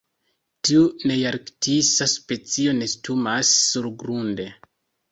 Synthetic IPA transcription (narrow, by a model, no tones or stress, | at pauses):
tiunejaɾktisaspe̞t͡sio̞ne̞stumasːuɾɡɾunde̞